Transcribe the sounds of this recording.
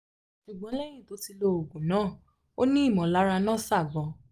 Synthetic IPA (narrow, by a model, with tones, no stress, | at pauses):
ʃu˨ɡ͡bɔ̃˨˦lɛ˦j̃ĩ˦˨to˨˦ti˧lo˧o˨ɡũ˨nãː˨˦˨ | o˦nĩ˦i˦˨mɔ̃˨˦la˦ɾa˧nãː˦˨sa˦˨ɡɔ̃˧